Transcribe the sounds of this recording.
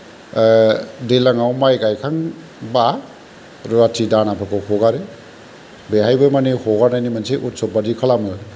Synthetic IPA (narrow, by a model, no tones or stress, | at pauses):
delaŋawmajɡajkʰaŋ | ba | ɾuatʰidanapʰɯkʰɯhʰɔɡaɾe | beɦajbɯmanihɔɡanajnimanseʔut̚sɔbadikʰalamɯ